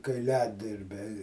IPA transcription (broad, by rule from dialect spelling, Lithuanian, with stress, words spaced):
kɐɪˈlʲæːdʲɪrʲbʲɛɪ